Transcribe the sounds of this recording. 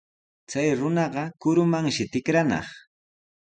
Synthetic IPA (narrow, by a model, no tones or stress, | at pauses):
t͡sajɾʊnɑɢɑkʊɾʊmaŋʃɪt̪ɪkɾanɑ̰χ